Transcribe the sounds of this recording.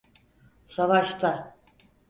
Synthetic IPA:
savaʃt̪ʰa

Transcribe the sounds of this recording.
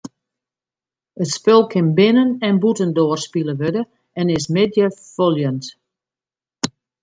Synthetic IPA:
ətspɪlˠkʰɪnbɪnənɛnbutəndoərspilˠəʋødə | ɛnɪsmɪdjəfolˠjənt

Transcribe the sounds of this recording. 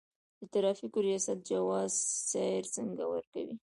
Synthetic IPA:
d̪̥ət̪aɾɑfikoɾijɑsat̪̚d͡ʒawɑzsɑɪɾsəŋɡawə̰ɾka̰wi

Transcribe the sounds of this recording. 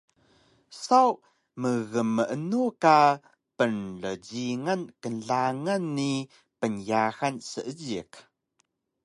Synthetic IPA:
saw | məɣəməənuka | pənɮəɟiŋankənɮaŋanːi | pənjaxansəʔəɟik

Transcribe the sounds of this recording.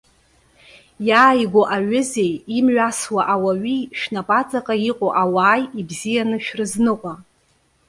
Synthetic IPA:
jaːjɡʷoʔaɥʊze̞jimɥaswaʔawaɥiʃᶣnapʼat͡sʼakʼaiqʷʼoʔawaːjibzijanɨʃᶣrɨznɨqʷʼa

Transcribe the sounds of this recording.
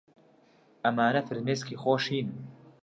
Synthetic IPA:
ʔɐmaːnɐfɨɾmeːskiːxoːʃiːnm

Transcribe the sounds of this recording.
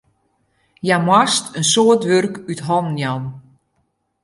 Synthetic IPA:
jamwastʰənsoːtʋørkytɦɔnnjan

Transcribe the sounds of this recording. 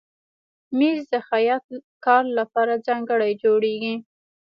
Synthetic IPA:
mezd̪əxajɑt̪kɑɾlapɑɾad͡zɑŋɡəɽajd͡ʒoɽeɡi

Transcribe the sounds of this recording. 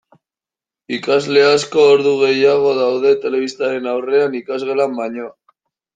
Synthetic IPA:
ikazle̞asko̞ːɾðuɣ̞e̞jaɣ̞o̞ðawðe̞t̪e̞le̞β̞ist̪aɾe̞nawre̞anikazɣelambaɲo

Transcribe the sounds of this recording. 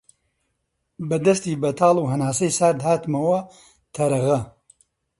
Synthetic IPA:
bɐd̪ɐst̪iːbɐt̪ʰaːlˠuːɦɐnaːsɐjsaːɾd̪haːt̪mɐwɐ | t̪ʰɐɾɐɣɐ

